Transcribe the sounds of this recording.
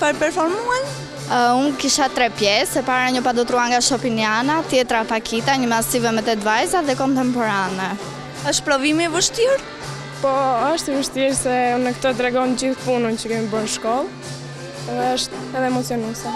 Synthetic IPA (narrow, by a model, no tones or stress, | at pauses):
pəɾpɛɾfɔɾmuan | unkiʃat̪ɾɛpjɛsɛpaɾaɲəpad̪ɔt̪ɾuaŋɡaʃɔpinianat̪jɛt̪ɾapakʰit̪aɲəmasivɛmɛt̪ɛt̪vajzaðɛkɔnt̪ɛmpɔɾanɛ | əʃt̪̚pɾɔvimivəʃt̪iɾ | pɔəʃt̪ivəʃt̪iɾsɛnəkt̪ɔt̪ɾɛɡɔnd͡ʑiθpunənt͡ɕəkɛmibəɾnʃkɔlˠ | ɛðɛəʃt̪ɛðɛmɔt͡siɔnusa